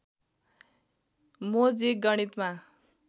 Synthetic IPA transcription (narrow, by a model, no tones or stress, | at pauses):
mod͡ziɡʌɽ̃it̪ma